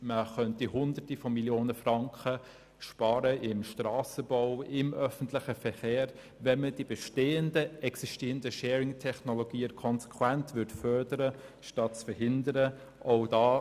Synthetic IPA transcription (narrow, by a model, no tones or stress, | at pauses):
məχœntihʊndətifɔmiljoːnəfrɑŋkχə | ʃpɑːɾəʔɪmʃtrɑːsəbɔʊɪmœfən̩tlɪxəfɛχeːɾ | ʋɛnməd̥ibɛʃteːəndəɛksiʃtiːəndəʃɛːɾɪŋtʰɛχnoloɡ̥iːəkʰɔnsɛ̥kʰwɛntʋʏɾtfœɾdəɾəʃtɑtt͡sfəɾɦɪndəɾə | ʔoʊdɑː